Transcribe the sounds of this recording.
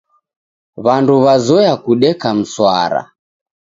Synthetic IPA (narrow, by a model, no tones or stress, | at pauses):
βanduβazɔjakuɗɛkam̩swa̰ɾa̰